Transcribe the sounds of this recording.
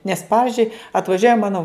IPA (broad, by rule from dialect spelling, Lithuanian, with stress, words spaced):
nʲɛs ˈpɑːʋʲɪzʲd͡ʒʲʊɪ ɐtʋɐˈʒʲuɔjɛ ˈmɑːnoː